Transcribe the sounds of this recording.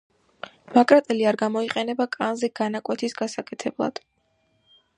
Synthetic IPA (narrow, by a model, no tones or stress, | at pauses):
makʼɾat̪ʼɛliaɾɡamɔiqʼɛnɛbakʼanzɛɡ̥anakʼwɛt̪ʰisɡasakʼɛt̪ʰɛblˠa̰d̪̥